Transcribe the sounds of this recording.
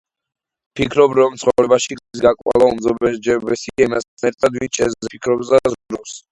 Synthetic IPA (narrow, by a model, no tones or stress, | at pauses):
pʰikʰɾɔbɾɔmt̪sʰχɔɾɛbaʃiɡis̬ɡakʼwa̰lˠaumd̪zɔbɛd͡ʒɛbɛsiaimasɛɾt̪ʰʼad̪vinʃɛzpʰikʰɾɔbsd̪azɾɔs